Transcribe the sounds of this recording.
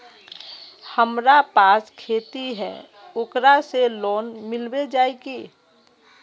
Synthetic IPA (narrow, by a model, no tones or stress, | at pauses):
həmɾapaːskʰeːt̪iɦɛ̰̃ː | ʊkɾaseloːnmɪlbed͡ʒaːekeː